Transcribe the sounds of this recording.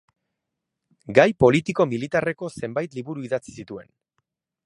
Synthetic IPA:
ɡajpo̞lit̪iko̞milit̪are̞ko̞se̞mbajt̪liβuɾuiðat͡si̥sit̪ue̞̰n

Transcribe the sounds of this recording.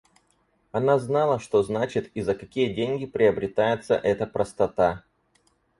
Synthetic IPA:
ɐnaznalˠəʂt̪o̞znat͡ɕɪt̪izəkɐkʲijədʲenʲɡʲɪpɾʲɪəbɾʲɪt̪ajɪt̪sə̰ʔɛt̪əpɾəst̪ɐt̪a

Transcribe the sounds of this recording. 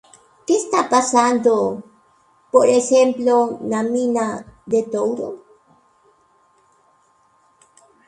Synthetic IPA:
kest̪apasand̪o | poɾexemplonaminad̪et̪owɾo

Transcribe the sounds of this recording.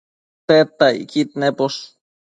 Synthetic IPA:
t̪et̪ːaḭkit̪nepos

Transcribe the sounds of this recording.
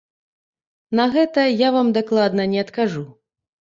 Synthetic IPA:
nɐɣɛt̪ɐjavamd̪aklˠad̪nɐnʲɛɐt̪kaʐu

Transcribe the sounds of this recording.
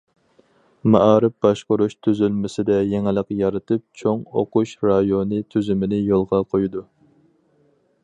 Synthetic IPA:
mɑʔɑːɾɪp̚bɑʃqʊɾuʃt̪ʰyzylmɪsɪd̪ɛjeŋɪlˠəqjɑɾɨt̪ʰɨp̚t͡ʃʰoŋo̰quʃɾɑjonɨt̪ʰyzymɪnɪjolˠʁɑqʰojud̪u

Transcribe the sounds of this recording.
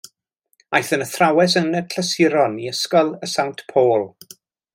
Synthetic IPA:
ajθənəθrawɛs̬ənəkʰləsɪɾɔniəskɔlˠəsawntpʰoːlˠ

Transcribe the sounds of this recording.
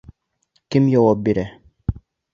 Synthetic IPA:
kimjɔwɔbiɾɛ

